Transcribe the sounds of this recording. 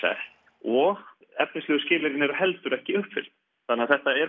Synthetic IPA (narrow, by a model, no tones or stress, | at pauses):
ɛ̰ | ɔ | ɛfnislœːɣʏscɪːlɪɾɪnɛɾʏhɛlt̪ʏɾɛhcɪʏhpfɪ̰lt̪ | θanɪaθɛht̪aɛɾ